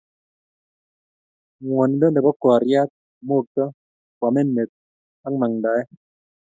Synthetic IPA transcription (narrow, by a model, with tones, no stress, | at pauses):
ŋwɔ˨ni˦dɔ˦nde˨bɔ˦kɔ˨a˨ɾja˦t̪̚ | mo˦˨k̚tɔ˦ | kwa˨me˦ne˨t̪̚ | a˦ŋma˨ŋda˨ɛ˦